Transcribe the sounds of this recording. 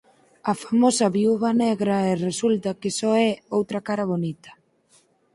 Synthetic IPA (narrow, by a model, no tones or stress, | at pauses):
ɐfamosɐβiuβɐnɛɣɾɐɛresult̪ɐkɪsɔɛowt̪ɾɐkaɾɐβonit̪ɐ̥